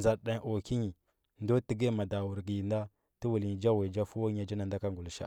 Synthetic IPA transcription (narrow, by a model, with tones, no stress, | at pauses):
za˨da˦o˨ki˦ɲi˨ | ndo˦ti˦ɡe˦ma˨da˨wu˨ɾɡi˨nda˦ | ti˦wu˨lɲi˨d͡ʒa˦we˨d͡ʒa˦fu˦wo˦ɲa˨d͡ʒa˦na˨nda˦ka˦ŋɡu˨lʃa̰˦